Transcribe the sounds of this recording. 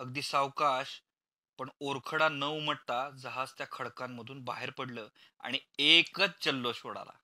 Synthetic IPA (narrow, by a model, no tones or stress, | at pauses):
əɡd̪iːsawkaɕ | pəɳoɾkʰəɽanəʋm̤əʈ̚t̪ad͡zəɦast̪jakʰəɭkamːəd̪ʱuːnba̰ɦeɾpəɽləː | a̰ɽ̃iekət͡sd͡ʑəlːoɕoɽa̰la̰